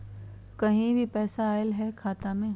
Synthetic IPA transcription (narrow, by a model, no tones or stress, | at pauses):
kɐɦĩbʱipɛːsaːɪlɦɛkʰaːt̪amẽ